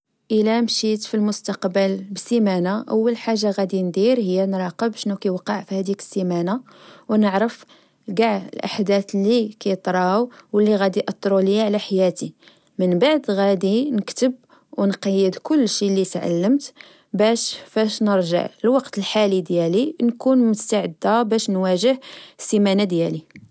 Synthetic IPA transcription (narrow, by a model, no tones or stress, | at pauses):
ʔəlæmʃit̪filmʊst̪ɑqbəlbsimænaʔəwːəlħaʒːaɣæd̪ind̪iɾhəjːænɾˤɑqəbʃnukæjwɑqːɑʕfihæd̪ikə̥sːimæna | wnəʕɾəf | ɡaʕə̰lʔa̰ħd̪æθlikæjt̪ˤɾˤɑwwəlːiɣæd̪iʔɑt̪ˤːɾˤuləjːaʕlæħajæt̪i | mənbaʕd̪ɣæd̪inəkt̪əb̚ | wnqɑjːəd̪kʊlːʃilit̪ʕa̰lːəmt̪ | bæʃfæʃnəɾʒə̰ʕəlwɑqt̪əlħalid̪jælinkunmʊst̪aʕəd̪ːabæʃnwæʒəhsːimænad̪jæli